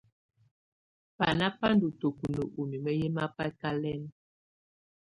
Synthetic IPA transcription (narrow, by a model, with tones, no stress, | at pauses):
pa˨na˦pa˦n˦du˨to˨ku˨nə˨ʔu˨mi˨mə˦je˦ma˦pa˦ka˦lɛ˦n˦